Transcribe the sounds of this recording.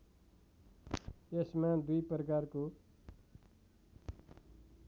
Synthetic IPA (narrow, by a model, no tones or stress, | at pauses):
esmad̪ujprʌkaɾko